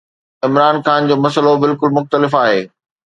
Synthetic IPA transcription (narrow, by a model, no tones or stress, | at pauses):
ɪmɾaːnxaːnd͡ʑoːmɐsəlobɪlkʊlmʊxt̪əlɪfaːɦeː